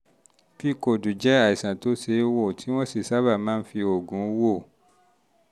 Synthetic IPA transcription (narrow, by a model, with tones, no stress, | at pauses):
bi˦ko˨dũ˨d͡ʒɛ˦a˦˨i˨sã˨to˨˦se˧˦wo˦˨tʰi˨˦w̃ɔ̃˦si˦˨sa˦ba˦˨mãː˦n̩˦fi˧o˨ɡũ˨˦wo˦˨